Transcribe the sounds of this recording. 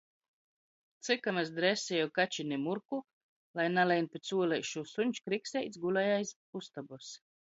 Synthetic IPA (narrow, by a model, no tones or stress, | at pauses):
t̪sɨkamasd̪ɾɛsɛjɛwkat͡ʃinimuɾku | lˠajnalɛjnpʲet̪suɔlɛjʃusuɲʲt͡ʃkɾiksʲɛjt̪sɡulajajs | ust̪abus